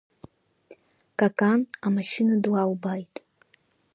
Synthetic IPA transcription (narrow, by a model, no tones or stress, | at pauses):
kʼakʼanamaʃinadwawbajtʼ